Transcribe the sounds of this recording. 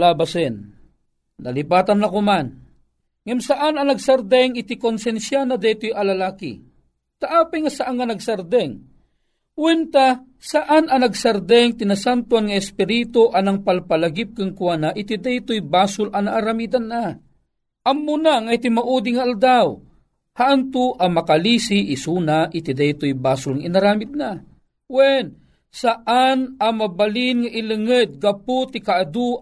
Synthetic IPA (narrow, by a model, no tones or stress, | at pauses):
labasɛnː | ɐ̰lipaːt̪anːɐkoman | ŋɛmsaʔanɐnɐɡsɐɾd̪ɛŋɪt̪ɪkonsɛnsjanɐd̪ɛjt̪ojɐlɐlaːkḭ | t̪aʔaːpajŋɐsaʔaŋːɐnɐɡsɐɾd̪ɛŋ | wɛnt̪a | sɐʔanɐnɐɡsɐɾd̪ɛŋt̪ɪnasant̪uanŋɐɛspɪɾit̪oʔɐnɐŋpalpɐlaɡɪp̚kaŋkwanaʔɪt̪ɪd̪ɛjt̪ojbaːsʊlʔɐnaʔaɾamiːd̪anːa | ʔamːunaŋajt̪imaʔud̪iŋaald̪aw | haʔant̪ʊʔamakalisiʔːsuːnaʔit̪id̪ajt̪ojbaːsʊlŋainaɾaːmid̪̚na | wɛn | saʔanamabalinŋaʔilɨŋəd̪̚ɡapʊt̪ɪkaad̪u